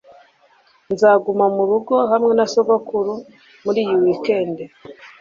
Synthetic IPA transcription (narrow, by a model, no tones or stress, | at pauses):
nzaːɡumamuɾuɡo̞ɦamŋe̞nasoβakuɾu | muɾiːjiwike̞ːnde